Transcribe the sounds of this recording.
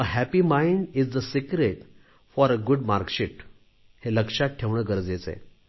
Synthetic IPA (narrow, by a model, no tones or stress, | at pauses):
əɦæpimãjɳɖizd̪əsikɾeʈ | fɔɾəɡuɖmaɾkɕiʈ | heləkʂatʈʰːeʋɳəːɡəɾd͡zet͡sḛ